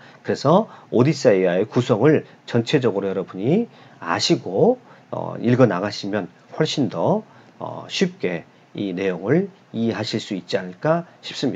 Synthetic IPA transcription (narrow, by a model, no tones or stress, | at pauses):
kɯɾe̞sʰʌodis͈aiae̞kusʰʌŋɯɭ | t͡ɕʌnt͡ɕʰe̞d͡ʑʌɡɯɾojʌɾʌbuɲi | a̰ɕʰiɡo | ʌ̰iɭɡʌnaɡaɕʰimjʌn | ɸwʌɭɕ͈indʌ | ʌ̰ɕʰip̚k͈e̞ | ine̞joŋɯɭ | ieɦaɕʰiɭs͈uit̚t͡ɕ͈ianɯɭk͈aɕʰi̥p̚s͈ɯmɲia